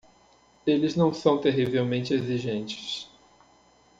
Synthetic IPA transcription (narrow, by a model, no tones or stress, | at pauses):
elɪznɐ̃w̃sɐ̃w̃t̪eɦivewmẽnt͡ʃɪeziʒẽnt͡ʃɪ̥s